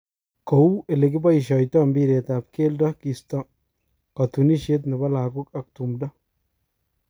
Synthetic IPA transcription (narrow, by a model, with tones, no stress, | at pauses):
ko˨u˦e˨le˨kɪ˦ba˦iʃɔ˨jtɔ˦mbi˦ɾe˨t̪ap̚ke˦ldɔ˦ki˨stɔ˦ | kat̪uni˦ʃe˦t̪̬nɪ˨bɐ˦la˨kʊ˦ka˨k̚t̪umdɔ˦